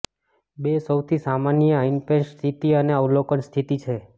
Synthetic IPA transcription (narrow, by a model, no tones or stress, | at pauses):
besəwt̪ʰisamanjəainpẽst̪ʰit̪iəneəwlokənst̪ʰit̪it͡ʃʰe